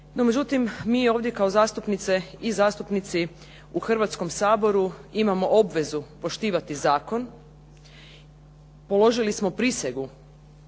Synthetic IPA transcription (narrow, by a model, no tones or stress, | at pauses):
nomed͡ʑut̪immiːo̞ːʋd̪je̞kao̞zaːst̪upnit̪se̞izaːst̪upnit̪si | uxr̩ʋat̪sko̞msaːbo̞ɾuimamo̞ʔobʋe̞zupo̞ʃt̪iːʋat̪izaːko̞n | po̞lo̞ʒilismo̞pɾiseɡu